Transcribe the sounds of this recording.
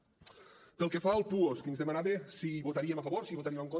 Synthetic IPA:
d̪̥əlˠkefalˠpuoskənzðemanaβesiβot̪aɾiemafaβoɾsiβot̪aɾiemaŋko

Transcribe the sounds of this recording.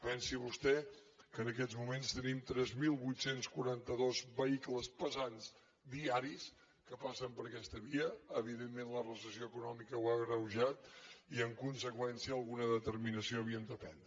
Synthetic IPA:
pɛnsiβ̞ust̪ɛ | kəːnəkɛzmumenst̪ənimt̪ɾɛzmilˠβujt̪senskuɾant̪əðozβəikləspəzanz | d̪iaɾis | kəpasəmpəɾəkɛst̪əβiəəβ̞iðemːenlərəsəsioəkunɔmikəwaɣɾəwʒat̪̚iəŋkunsəkwɛnsiəəlˠɣunəðət̪əɾminəsioəβiəmd̪əpɛ̰nd̪ɾ

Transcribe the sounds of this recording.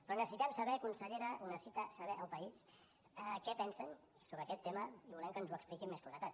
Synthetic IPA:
pɾɔnəssit̪ɛmsɐβɛkunsəʎeɾəʔunəsit̪əsɐβɛʔəlˠpɐis | əkɛpɛnsən | soβɾəːkɛt̪ːeməiβulɛmkənzuəksplikimːeskunət̪at̪

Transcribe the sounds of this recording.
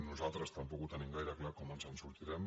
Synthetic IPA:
nuzalt̪ɾəst̪ampokut̪aniŋɡajɾaklakomansansuɾt̪iɾɛm

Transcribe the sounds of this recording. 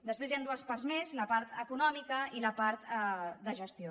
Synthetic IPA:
d̪əspɾezjand̪uəsparzmezləpaɾt̪əkunɔmikəiləpaɾt̪ɛd̪əʒəst̪io

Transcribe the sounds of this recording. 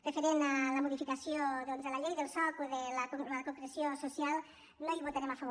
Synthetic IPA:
refeɾenaləmuðifikasioðonzalaʎejðəlˠsɔkuðelakulalakuŋkɾesiosusjalˠ | noiβut̪aɾemafaβ

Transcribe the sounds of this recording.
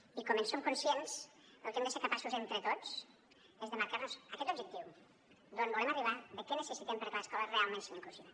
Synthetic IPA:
ikɔmensomkunsjens | əlwk̪ɛmd̪əseɾkapasuzent̪ɾət̪ot͡s | ezðəmaɾkaɾnozakɛt̪ubd͡ʒək̚t̪iw | d̪onbulemariβ̞aðəkɛnəsəsit̪ɛmpəɾkeləskɔzəzrealˠmẽnseneŋkusina

